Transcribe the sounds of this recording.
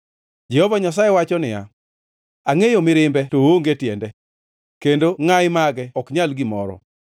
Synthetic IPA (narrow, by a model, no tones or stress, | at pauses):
d͡ʒɛhɔvaɲas̬ajewat͡ʃɔnɪja̰ | aŋejomɪɾɪmbɛtowoŋɡetjɛndɛ | kendoŋajɪmaɡɛɔkɲalɡɪmɔɾɔ̰